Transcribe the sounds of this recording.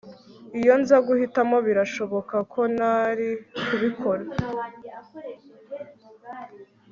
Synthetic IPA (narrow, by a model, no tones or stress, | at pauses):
ijo̞nzaɡuhitamo̞βiɾaʃo̞βo̞kakʰo̞naɾikuβikʰo̞ɾa